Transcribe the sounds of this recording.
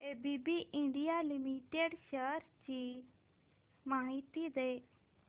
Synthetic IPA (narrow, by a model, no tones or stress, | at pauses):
eːbiːbiːʔɪ̃ɳɖijaːlimiʈeɖʃəɾt͡ʃiː | maːɦit̪iːd̪eː